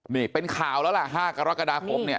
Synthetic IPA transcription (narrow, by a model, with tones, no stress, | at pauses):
niː˧˩pe˧nkʰaː˨˩˦wlɛː˦˥wla˧˥˩ʔɦaː˥˩ka˧ɾa˦˥ka˧daː˧kʰo˧˦mni˥˩